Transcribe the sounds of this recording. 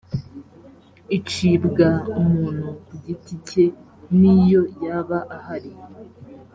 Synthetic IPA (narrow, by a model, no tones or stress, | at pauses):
it͡ʃibɡaumuːn̥huɡitice̞ | nijo̞jaβaʔahaɾi